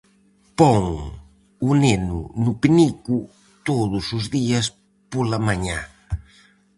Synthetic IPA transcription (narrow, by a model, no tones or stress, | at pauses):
pɔŋ | unenʊ̰nʊpiniku | t̪oðʊsʊzðiɐs | polɐmaɲã